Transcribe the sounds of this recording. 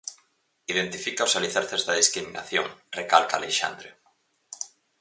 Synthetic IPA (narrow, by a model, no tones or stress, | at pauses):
iðent̪ifikaosaliθaɾθezðaðiskɾimina̰θjoŋrekalka̰leʃa̰nd̪ɾe